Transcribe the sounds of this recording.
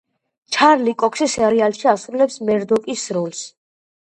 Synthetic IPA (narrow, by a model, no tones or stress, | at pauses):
t͡ʃʰaɾlikʼɔkʰsɛsɛɾialʃiasɾulɛpsmɛɾd̪ɔkʼisɾɔls